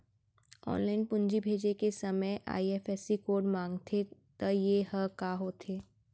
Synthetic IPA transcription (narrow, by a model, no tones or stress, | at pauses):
ɔ̰ːnlaːɪnpʊ̃nd͡ʒibʱeːd͡ʒekesɐməjʔa̰ːiɛːfɛːsikoːɖmãːŋɡt̪ʰet̪əjeɦəkaːɦoːt̪ʰeː